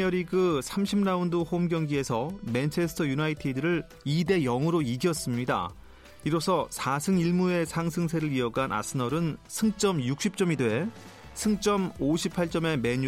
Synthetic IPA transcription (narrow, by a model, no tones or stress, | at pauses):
jʌɾiɡɯsʰamɕʰimnaundohomɡjʌŋɡie̞sʰʌment͡ɕʰe̞sʰɯ̥tʰʌjunaitʰidɯɾɯɭ | ide̞jʌŋɯɾoiɡjʌs͈ɯmɲida̰ | iɾosʰʌsʰasʰɯŋiɭmue̞sʰaŋsʰɯŋsʰe̞ɾɯɾiʌɡanʔa̰s͈ʰɯnʌɾɯnsʰɯŋt͡ɕ͈ʌmjuk̚ɕ͈ʰip̚t͡ɕ͈ʌmidwee | sʰɯŋt͡ɕ͈ʌmoɕʰipʰaɭt͡ɕ͈ʌme̞me̞ɲ